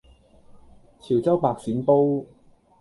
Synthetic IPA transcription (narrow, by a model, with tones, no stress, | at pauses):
t͡sʰiː˨˩wt͡sɐ˥wpaː˧k̚siː˨˥npo˥w